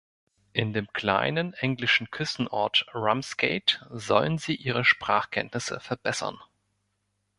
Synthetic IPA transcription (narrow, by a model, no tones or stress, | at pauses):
ʔɪndeːmkʰl̥a̰ɪnənʔɛŋlɪʃn̩kʰʏstn̩ʔɔɐtʁamskeɪtz̥ɔlənziːʔiːʁ̞əʃpʁ̥aːχkʰɛntnɪsə̰fɛɐbɛsɐ̰n